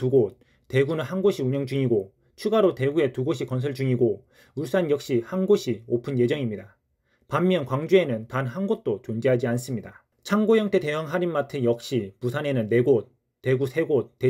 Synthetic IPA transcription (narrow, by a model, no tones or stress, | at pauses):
tuɡot̚ | t͈ːe̞ɡunɯnhanɡoɕʰiuɲʌŋd͡ʑuŋiɡo | t͡ɕʰuɡaɾote̞ɡue̞tuɡoɕʰikʌns̬ʰɯɭd͡ʑuŋiɡo | uɭs͈anjʌk̚ɕ͈ihanɡoɕʰiopʰɯnje̞d͡ʑʌŋimɲida | pamːjʌnkwaŋd͡ʑue̞nɯntananɡot̚t͈ot͡ɕond͡ʑeɦad͡ʑians͈ɯmɲida | t͡ɕʰaŋɡojʌŋtʰe̞te̞ɦaŋɦaɾinmatʰɯjʌk̚ɕ͈ipusʰane̞nɯnːe̞ɡot͈̚ː | e̞ɡusʰe̞ɡot͈ːe